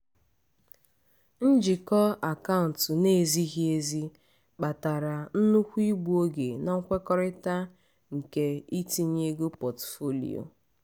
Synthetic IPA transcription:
n̩˦d͡ʒi˨kɔ˦a˨ka˦ʊ˨n̩˨tne˦˨zi˦ɦi˦e˦zi˦ | k͡pa˨ta˨ɾa˨n̩˦nu˦kʷi˦ɡ͡bu˦o˦ɡe˨na˨ŋ̩˦kʷe˦kɔ˦ɾɪ˦ta˦ | ŋ̩˨ke˨i˦ti˦˨ɲe˦ɡo˦pɔ˨tfo˦lḭ˨o̰˨

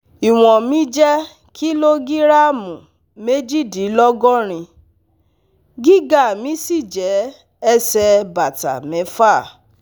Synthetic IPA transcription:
i˨w̃ɔ̃˨mĩ˨˦d͡ʒɛ˦ | ki˦lo˦ɡi˦ɾa˦mũ˨ | me˦d͡ʒi˦di˨˦lɔ˦ɡɔ̃˦ɾ̃ĩ˧ | ɡi˦ɡa˦˨mĩ˨˦si˦˨d͡ʒɛ˨˦ | ɛ˦sɛ˧ba˨ta̰˨mɛ̃˨˦fa˦˨

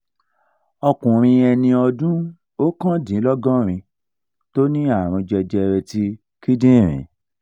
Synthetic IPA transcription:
ɔ˧kũ˨ɾ̃ĩ˧ɛ˧nĩ˧ɔ˧dũ˦ | o˦kã˦dĩ˨˦lɔ˦ɡɔ̃˦ɾ̃ĩ˧ | to˦nĩ˦a˦˨ɾ̃ɔ̃˧d͡ʒɛ˧d͡ʒɛ˧ɾɛ˧ti˦ | ki˦dĩ˦˨ɾ̃ḭ̃˨˦

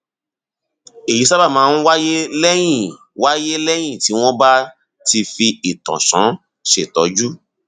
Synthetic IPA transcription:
e˨ji˨˦sa˦ba˦˨mãː˨˦n̩˦wa˦je˦lɛ˦j̃ĩ˦˨ | wa˦je˦lɛ˦j̃ĩ˦˨ti˨˦w̃ɔ̃˦ba˦ | ti˧fi˧i˨tɔ̰̃˨sɔ̃˨˦ | ʃe˦˨tɔ˨˦d͡ʒu˦

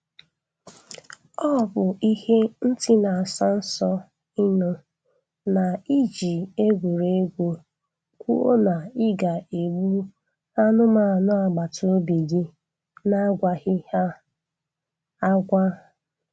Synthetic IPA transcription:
ɔ˦˨bʊ˨ʔi˦he˦n̩˦ti˦na˨a˨sa˦n̩˦sɔ˦ | ɪ˦nʊ˦ | na˨i˦d͡ʒi˨e˦ɡʷu˨ɾe˨˦e˦ɡʷu˦ | kʷu˦o̰˦na˨ɪ˦ɡa˨e˨ɡ͡bu˦ | a˦nʊ˦ma˦a˨nʊ˦a˨ɡ͡ba˨to˦bi˨ɡi˦ | na˦ɡʷa˦hɪ˦ha˦ | a˦ɡʷa˦

